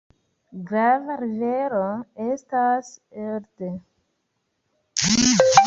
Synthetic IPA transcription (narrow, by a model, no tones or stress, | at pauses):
ɡɾavaɾiveɾoe̞staseɾde